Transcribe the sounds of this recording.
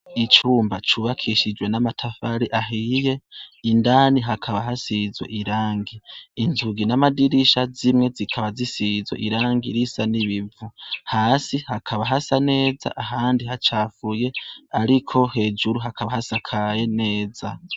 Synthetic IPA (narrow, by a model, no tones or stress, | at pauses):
it͡ʃuːmbat͡ʃuːβakʰiʃid͡ʒwe̞namatʰafaɾiʔaɦije̞indaːniɦakʰaβaɦasizwḛʔiɾaːŋɡiːnzuɡinamadiɾiʃazimŋe̞zikʰaβazisizwḛʔiɾaːŋɡiɾisaniβivuhaːsihakʰaβaɦasane̞ːza̰ʔaɦaːndiɦat͡ʃaːfuje̞aɾikʰo̞he̞ːd͡ʒuɾuɦakʰaβahasakʰaje̞ne̞ːza